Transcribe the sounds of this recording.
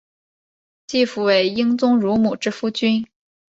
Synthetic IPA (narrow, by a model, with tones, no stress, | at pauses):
t͡ɕi˥˩fu˧˥we˧˩ɪi˥ŋt͡sʊ˥ŋɻu˧˥mu˨˩ʈ͡ʂɻ̩˥fu˥t͡ɕy˥n